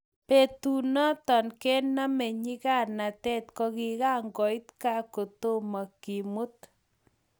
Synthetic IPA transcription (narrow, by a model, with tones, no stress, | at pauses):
pe˨t̪u˨nɔ˦t̪ɔ˨nke˦nːa˦mɛ˨ɲi˦ɣa˦na˨t̪ɛ˦t̪kɔ˧kɪ˨ɣa˦ŋɡɔ˨jt̪ka˦ko˨t̪o˦ma˨ki˨mʊ˦t̪